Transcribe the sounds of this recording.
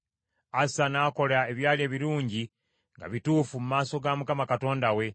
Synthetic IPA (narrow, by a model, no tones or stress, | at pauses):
asanaːko̞lae̞βjaːlie̞ːβiɾuːɲɟi | ŋɡa̰βituːfumumaːso̞ɡamukamakato̞ːndawe̞